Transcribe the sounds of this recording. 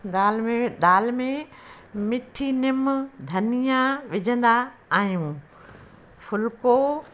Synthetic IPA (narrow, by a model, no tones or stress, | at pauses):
ɗ̪aːlmẽɗ̪aːlmẽ | mɪʈʰinɪmd̪ʱɐnijaʋɪd͡ʑʱə̃nd̪aːɦijũː | fʊlko